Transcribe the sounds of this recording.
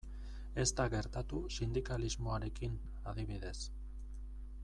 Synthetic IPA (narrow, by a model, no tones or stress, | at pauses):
e̞st̪aɣe̞ɾt̪at̪usind̪ikalizmo̞aɾe̞kin | aðiβ̞iðe̞s